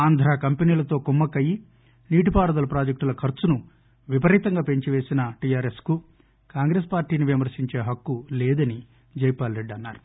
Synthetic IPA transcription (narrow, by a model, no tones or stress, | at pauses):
aːnd̪ʱɾaːkɐmpeniːlɐt̪o̞ːkumːɐkːɐji | niːʈipaːɽɐd̪ɐlɐpɾaːd͡ʒɐk̚ʈulɐkʰɐɾt͡ʃunu | ʋipɐɾiːt̪ɐŋɡaːpeɲt͡ʃiʋeːsinɐʈijaːɾe̞sku | kaːŋɡɾeːspaːɾʈiːniʋimɐɾsiɲt͡ʃe̞ːɦɐkːulɛːd̪ɐni | d͡ʒɐjpaːlɾeɖːɐnːaːɾu̥